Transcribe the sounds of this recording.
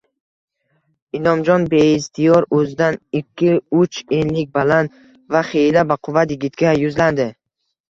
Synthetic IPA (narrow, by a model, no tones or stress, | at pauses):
ɪlɒmd͡ʒɒnbeist̪ʰɪjɒɾɵzɪd̪anɪkʲʰːɪʊt͡ʃenlɪk̚ʲbalan | vaχejlabaqʰʊvat̪jɪɡʲɪt̪kʲajʊzland̪ɪ